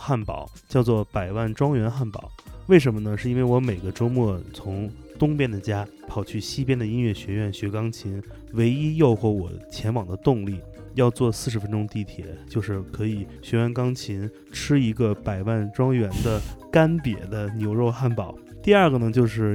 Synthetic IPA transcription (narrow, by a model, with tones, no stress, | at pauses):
xa˥˩npɑ̰˨˩˦ʊt͡ɕjɑ˥˧ʊt͡swɔ˥˩pa˨˩ɪwa˥˩nʈ͡ʂwɑ˥ŋɥɛ˧˥nxa˥˩npɑ̰˨˩˦ʊwe˥˩ɪʂ̬ə˧˥nmə˧nə˧ʂɻ̩˥˩˧i˥nwe˥˩ɪwɔ˧˥me˨˩ɪɡə˦ʈ͡ʂo˥ʊmwɔ˥˩t͡sʰʊ˧˥ŋ | t̪ʊ˥ŋpjɛ˥˩nd̪ə˨t͡ɕja˥ | pʰɑ˨˩ʊt͡ɕʰy˥˩ɕi˥pjɛ˥nd̪ə˨i˥nɥɛ˥˩ɕɥɛ˧˥ɥɛ˥˩nɕɥɛ˧˥kɑ˥ŋt͡ɕʰi˧˥n | we˧˥ɪi˥jo˥˧ʊxɔ˧˥wɔ̰˨˩t͡ɕʰjɛ˧˥nwɑ˨˩ŋd̪ə˦t̪ʊ˥˧ŋli˥˩ | jɑ˥˧ʊt͡swɔ˥˧sɹ̩˥˩ʂɻ̩˧˥fə˥nʈ͡ʂʊ˥ŋt̪i˥˩t̪ʰjɛ̰˨˩˦t͡ɕjo˥˧ʊʂɻ̩˥˩kʰɤ˧˥i˨˩˦ɕɥɛ˧˥ɥɛ˥˩nkɑ˥ŋt͡ɕʰi˧˥n | ʈ͡ʂʰɻ̩˥i˧˥ɡə˧pa˨˩ɪwa˥˩nʈ͡ʂwɑ˥ŋɥɛ˧˥nd̪ə˧ka˥npjɛ̰˨˩d̪ə˦njo˧˥ʊɻo˥˧ʊxa˥˩npɑ˨˩˦ʊ | t̪i˥˧a˞˥˩ɡə˩nə˧˩t͡ɕjo˥˧ʊʂ̬ɻ̩˥˩